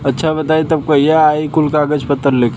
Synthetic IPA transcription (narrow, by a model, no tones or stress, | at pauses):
ɐtːʃʰabɐt̪aːit̪ɐb̚koijaaːikʊlkaːɡəd͡ʒpət̪ːəɾleːk